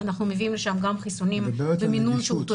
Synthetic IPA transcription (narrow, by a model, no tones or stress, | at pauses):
anaχnumeviʔimleʃamɡamχisonimbeminunʃeut̪o